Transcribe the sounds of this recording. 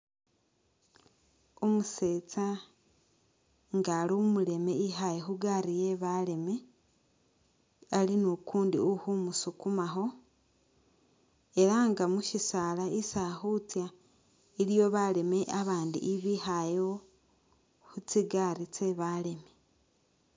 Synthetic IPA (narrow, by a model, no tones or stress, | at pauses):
omuset͡sa | ŋɡalumule̞me̞iɦajexuɡaɾije̞βale̞me̞ | alinokʰuːndiohumusukumaxo̞ | e̞ɾaŋɡamuʃisalaisaxut͡sja | ilijo̞βale̞me̞ʔaβaːndḭʔiβihajo | hut͡siɡaɾit͡se̞βale̞me